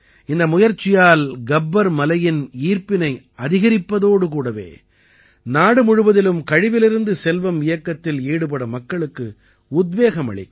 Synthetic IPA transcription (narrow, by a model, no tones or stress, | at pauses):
ɪnd̪ɐmʊjɐɾt͡ʃːɪjaːlɡɐbːɐɾmɐlɐjɪniːɾpɪnɐɪ | ɐðɪɣɐɾɪpːɐðoːɽɯkuːɽɐʋḛː | naːɽɯmʊɻɯʋɐðɪlɯmkɐɻɪʋɪlɪɾɯnd̪ɯsɛlʋɐmɪjɐkːɐt̪ːɪleːɽɯpɐɽɐmɐkːɐɭɯkːɯ | ʊd̪ʋeːɣɐmɐ̰ɭɪ̰k